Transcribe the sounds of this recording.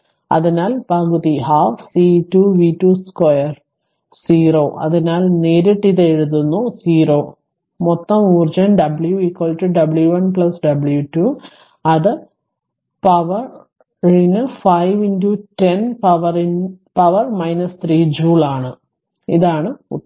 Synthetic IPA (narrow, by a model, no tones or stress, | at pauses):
ɐ̰ðinaːlpaːɣuðihaːfsiːtːuːʋitːuːskwojɐr | siːro̞ːʔɐ̰ðinaːlneːɾeʈːiðeeɻuðunːusiːro̞ː | mot̪ːɐmuːrd͡ʑɐnɖɐbɭjuikwɐːɭʈːɨɖɐbɭjuʋɐnpɭɐsɖɐbljutːu | ɐðɨ | pɐʋɐr | inɨfɐjʋindutenpɐʋɐrinpɐʋɐrmɐjnɐst̪riːd͡ʑuːɭaːɳɨ | iðaːɳɨ